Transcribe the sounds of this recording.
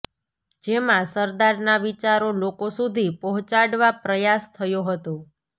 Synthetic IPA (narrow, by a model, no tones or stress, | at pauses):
d͡ʒemãsəɾd̪aɾnaʋit͡ʃaɾolokosud̪ʱipɔɦʊ̃t͡ʃaɽʋapɾəjast̪ʰəjoɦət̪o